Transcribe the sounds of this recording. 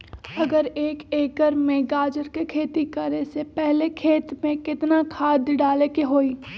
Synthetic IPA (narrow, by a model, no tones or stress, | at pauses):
ɐɡəɾeːkeːkəɾmẽɡaːd͡ʒəɾkekʰeːt̪ikəɾesepɛɦlekʰeːt̪mẽkɪt̪nakʰaːd̪ɖaːlekeɦoːiː